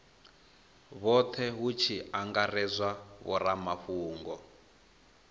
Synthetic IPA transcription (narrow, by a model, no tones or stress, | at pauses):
βɔt̪ʰɛɦut͡ʃʰiaŋɡarɛzwaβɔ̰ɾamaɸuːŋɡɔ